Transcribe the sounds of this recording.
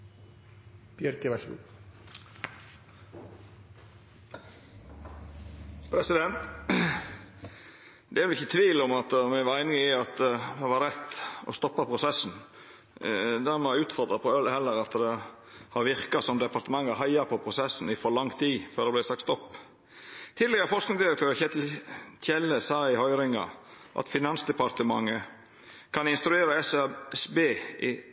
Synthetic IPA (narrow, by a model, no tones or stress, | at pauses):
bjɛɾkəʋɛʃɡṵː | pʰɾɛsɪd̪ɛnt̪ | d̪ɛʋɛlɪçːət̪ʰʋiːlɔmɑt̪mɛʋɑæɪnɪŋɪɑt̪ʋ̪ɛʋɑɾɛt̪ːɔ̰st̪ɔpːɑpʰʁʊsɛsːn̩ | d̪æɾmɛʉːt̪fɔɾd̪ɾɑpʰɔœlhɛlːəɾɑt̪d̪ɛ | hɑɾʋɪɾkɑsɔmd̪ɛpɑɾt̪əmɑŋːɑɦɑɪɑpʰɔpʰɾʊsɛsːn̩ɪfɔɾlɑŋt̪ʰiːføːɾd̪ɛblæɪsɑk̚t̪st̪ɔpː | t̪ʰɪd̪lɛɡəɾfɔʂknɪŋsd̪ɪɾək̚t̪ʰøːɾçɛt̪çɛləsɑːɪhɔʏɾɪŋɑ̰ | ʔɑ̰t̪fɪnɑnsd̪ɛpɑɾt̪əmɑ̰ŋːə | kʰɑnɪnst̪ɾʉeːɾəɛsɛsbeːʔɪ